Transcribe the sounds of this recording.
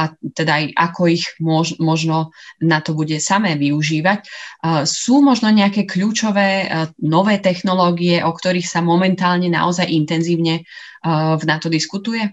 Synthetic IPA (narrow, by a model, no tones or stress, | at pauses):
ʔat̪ɛd̪ajʔakɔiɣmɔmɔʒnɔnat̪ɔbuɟɛsamɛːʋiuʒiːʋac | suːmɔʒnɔɲɛakɛːkʎuːt͡ʃɔʋɛːnɔʋɛːt̪ɛxnɔlɔːɡiɛʔɔkt̪ɔɾiːxsamɔmɛnt̪aːlɲɛna̰ʔɔzajʔint̪ɛnziːʊɲɛ | vnat̪ɔd̪iskut̪ujɛ